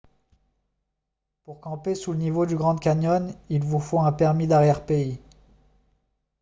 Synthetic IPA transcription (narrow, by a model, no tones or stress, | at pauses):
puʁkɑ̃pesulənivod̪yɡʁɑ̃d̪kʲaɲɔnilvufoɛ̃pɛʁmid̪aʁjɛʁpei